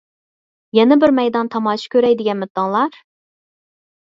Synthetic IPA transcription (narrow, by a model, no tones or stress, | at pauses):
jɛnɛbɪɾmɛjd̪ɑnt̪ʰɑmɑːt͡ʃʰi̥kʲøɾɛjd̪ɪɡʲɛnmɪt̪ːɑŋlˠɑɾ